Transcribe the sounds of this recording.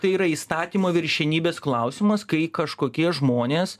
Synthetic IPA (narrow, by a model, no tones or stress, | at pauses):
t̪ɐɪiɾɐiːst̪ɑːt̪ʲiːmoːʋʲɪɾʲʃʲɛnʲiːbʲeːsklˠɐʊsʲɪmɐskɐɪkɐʃkoːkʲiɛʒmoːnʲeːs